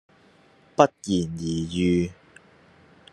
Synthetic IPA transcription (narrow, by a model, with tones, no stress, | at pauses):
pɐ˦˥t̚jiː˨˩njiː˨˩jyː˧